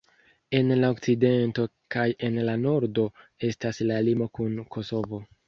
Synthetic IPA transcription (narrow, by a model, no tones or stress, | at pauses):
e̞nlaok̚t͡side̞nto̞ | kaje̞nlano̞ɾdo̞e̞staslalimo̞kunkʰo̞so̞vo̞